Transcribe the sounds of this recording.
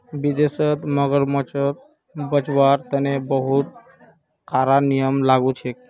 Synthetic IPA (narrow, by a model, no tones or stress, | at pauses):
bid̪esət̪məɡəɾmət͡ʃət̪̚ | bət͡ʃʋaɾt̪ənebəɦut̪̚ | kʰaɾanijəmlaɡut͡ʃʰek